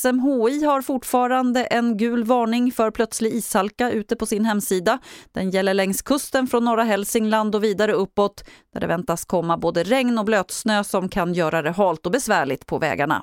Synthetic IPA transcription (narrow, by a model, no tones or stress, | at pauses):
sɛmɦoːiːhaɾfʊʈfɑːɾand̪əʔɛnɡʉ̟ːlvɑːɳɪŋfœɾpʰlœt̪slɪɡiːshalkaʔʉ̟ːt̪əpɔsɪnhɛmːsiːd̪ad̪̥ɛnjɛlːəɭɛŋskʰɵst̪ənfɾɔnːɔɾaɦɛlsɪŋland̪ɔviːd̪aɾəɵpːɔt̪dd̪̥æ̰ɖɛ̰vɛnt̪askʰɔmːaboːd̪əɾɛŋnɔbløːt̪snøːsɔmkʰanjœːɾad̪ɛɦɑːlt̪ɔbɛsvæːɭɪt̪pʰɔvɛ̰ːɡa̰ɳa̰